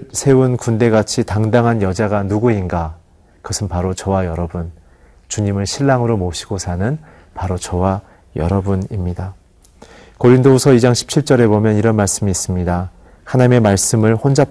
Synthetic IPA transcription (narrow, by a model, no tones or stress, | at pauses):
sʰe̞unkunde̞ɡat͡ɕʰitaŋdaŋɦanjʌd͡ʑaɡanuɡuinɡa | kʌsʰɯnpaɾot͡ɕʌwajʌɾʌbun | t͡ɕuɲimɯɭɕʰiɭːaŋɯɾomoɕʰi̥ɡosʰanɯn | paɾot͡ɕʌwa | jʌ̰ɾʌbunimɲida | koɾindousʰʌid͡ʑaŋɕʰi̥p̚t͡ɕʰiɭt͡ɕ͈ʌɾe̞bomjʌniɾʌnmaɭs͈ɯmiːs͈ɯmɲida | hanaɲime̞maɭs͈ɯmɯɭɸond͡ʑa